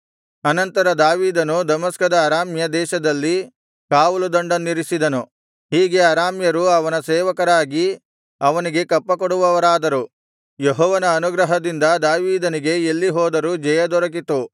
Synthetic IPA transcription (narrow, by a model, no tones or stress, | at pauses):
ɐnɐnt̪ɐɾɐd̪aːʋiːd̪ɐnud̪ɐmɐskɐd̪ɐːɾaːmjɐd̪ɛːʃɐd̪ɐlːi | kaːʋulud̪ɐɳɖɐnːiɾisid̪ɐnu | hiːɡe̞ɐɾaːmjɐɾuɐʋɐnɐsɛːʋɐkɐɾaːɡi | ɐʋɐniɡe̞kɐpːɐkɔɽuʋɐʋɐɾaːd̪ɐɾu | jeɦɔːʋɐnɐːnuɡɾɐɦɐd̪ind̪ɐd̪aːʋiːd̪ɐniɡe̞elːiɦɔːd̪ɐɾud͡ʒɐjɐd̪ɔɾɐk̬it̪u